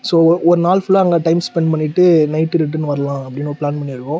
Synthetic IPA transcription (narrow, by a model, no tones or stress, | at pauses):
soːɔɾɯnaːlfʊɭːaɐŋɡɐʈɐɪmspɛɳɖpɐɳːɪʈːɯnɐɪʈːɯɾɪʈ̬ːɐnːʋɐɾɐlãːɐpːɐɽɪnːoɾpɭlaːnpɐɳːiɾɯkːʊ̃